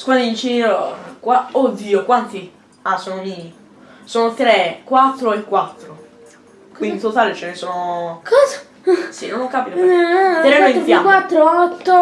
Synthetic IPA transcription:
skuand̪int͡ʃinɾokwaod̪ːiːokwant̪i | asonoɲini | soːnot̪ɾekwat̪ːɾoekwat̪ːɾo | kwind̪it̪ot̪aːlet͡ʃenesoːnokɔza | sinõnokːaːpit̪op̪ɾeaeiakwat̪ːɾoɔt̪ːo

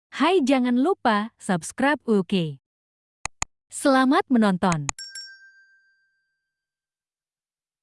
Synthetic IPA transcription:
hajd͡ʒaŋanlupasapskɾab̚uke | səlamat̪̚mənɔnt̪ɔn

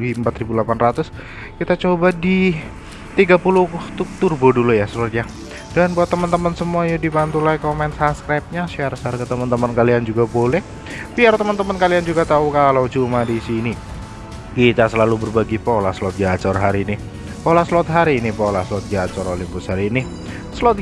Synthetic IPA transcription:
iəmpat̪ɾibulapanrat̪ʊs | kit̪at͡ʃobadi | t̪iɡapulʊt̪ʊk̚t̪urbodulujasuɾət̪̚jaŋ | danbuat̪ːəmənt̪əmənsəmuajudibant̪ulajkomɛnsaskɾajp̚ɲaʃarsarkət̪əmənt̪əmənkaliand͡ʒuɡabolɛh | biart̪əmənt̪əmənkaliand͡ʒuɡat̪aukalot͡ʃumadisini | kit̪asəlalubərbaɡipolasəlɔt̪̚ɡat͡ʃɔrɦaɾiːni | polaslɔt̪̚ɦaɾiːnipolasəlɔt̪̚ɡat͡ʃɔɾolimpʊshaɾiːni | səlɔt̪̚

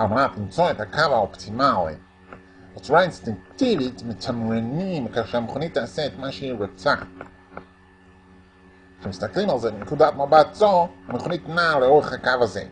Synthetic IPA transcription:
almanat̪limt͡soethakʰavaopt̪ʰimalḭ | ot͡suʁainst̪iŋkt̪ivitmetʰamɾenimkaχʃeameχonit̪ːeːseːt̪maʃeiɾot͡sa | ʃemist̪aklimalzebenekudatmabatzohameχonit̪naleoʁeχhakavazḛ

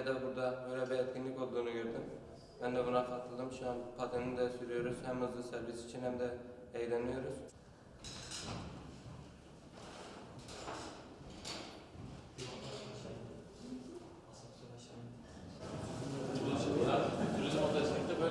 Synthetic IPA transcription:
ɛd̪ɛbuɾd̪ɑbøjlɛbɛɛt̪̚ɡʲinlikʲo̞lˠd̪uːnuɡøɾd̪ym | bɛnd̪ɛbunɑfɑt̪ʰɯlˠd̪ɯmʃɑpʰɑt̪ʰennd̪ɛsyɾyjoɾuzhæmhɯzlˠɯsæɾvisi̥t͡ʃʰinhæmd̪ɛɛjd̪ɛnijoɾuz̥ | yɾizmod̪ʰɛsmikt̪ɛbø

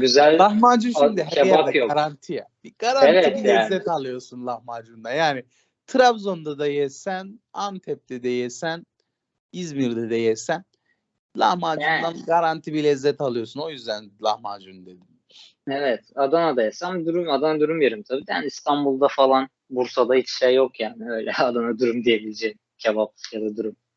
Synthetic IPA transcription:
ɟyzælʲlˠahmad͡ʒuʃʃmd̪iɦeajaak̪d̪ajoɡaɾant̪ʰija | ɡ̥aɾanvɛit̪bilʲɛzːɛt̪ʰalˠɯjo̞sunlˠahmad͡ʒund̪anjaːnɪ | t̪ʰɾavzo̞nd̪ad̪ajɛsænamt̪ʰɛp̚t̪ʰɛd̪ɛjɛsæn | izmiɾd̪ɛd̪ɛjɛsæn | lˠa̰hmaːjund̪anɡaɾant̪ʰibilʲɛzːɛt̪ʰalˠɯjo̞suno̞jyzd̪ænlˠahmad͡ʒund̪e̞d̪in | ɛvɛt̪ad̪anad̪ajɛsamad̪uɾumad̪anad̪uɾumjeɾimt̪ʰabiːd̪ja̰nist̪ʰanbulˠd̪afalˠan | buɾsad̪ait͡ʃʰʃejːokjaːnɪø̞jlʲɛad̪anad̪uɾumd̪ijebilʲed͡ʒɛ | cʰalapjad̪ad̪uɾum

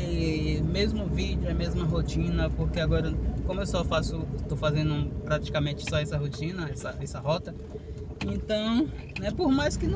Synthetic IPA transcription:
ɛmezmʊvid͡ʒʊɛmezmɐɦot͡ʃĩnɐpoɾkeaɡɔɾɐkõmʊewsɔfasʊt̪owfazẽnd̪ʊpɾat͡ʃi̥kamẽnt͡ʃɪ̥sɔɛsɐɦot͡ʃĩnɐɛsɐɛsɐɦɔt̪ɐ | ẽt̪ɐ̃w̃ | nɛpoɾmajskɪñ

